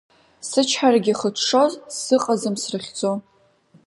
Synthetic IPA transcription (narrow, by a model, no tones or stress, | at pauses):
sɨt͡ʃʰħaraɡʲɪχətʰʂozsɨqʼazɨmsrɨχʲd͡zʼo